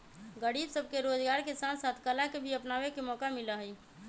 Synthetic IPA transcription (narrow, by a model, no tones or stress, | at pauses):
ɡəɽiːbsəb̚ʱkeɾoːd͡ʒɡaːɾkesaːnsaːt̪ʰkəlakebʱiəpnaːʋekemɔːkamɪlaɦi